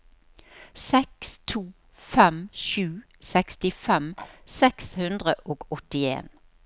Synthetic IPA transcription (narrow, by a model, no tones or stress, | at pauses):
sɛkst̪ʰuː | fɛmʃʉː | sɛkst̪ɪfɛmsɛkshʉnd̪ʁəʔoːɡɔt̪ɪḛːn